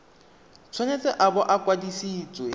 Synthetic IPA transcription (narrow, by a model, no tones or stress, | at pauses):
t͡sʰwenet͡sɛʔabɔʔakwadisiːt͡sʼwe